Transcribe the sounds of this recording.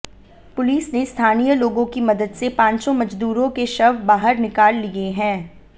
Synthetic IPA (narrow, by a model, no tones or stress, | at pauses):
pʊliːsnest̪ʰaːnijəloːɡõkimɐd̪əd̪sepãːɲt͡ʃõmɐd͡ʒd̪uːɾõkeʃɐʋbaːɦəɾnɪkaːlːieɦɛ̃ː